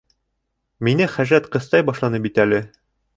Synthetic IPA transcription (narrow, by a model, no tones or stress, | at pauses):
minɘχæʒɾæt̪qɤ̆st̪ɑjbɒʃlˠɑnɤp̚it̪ælɘ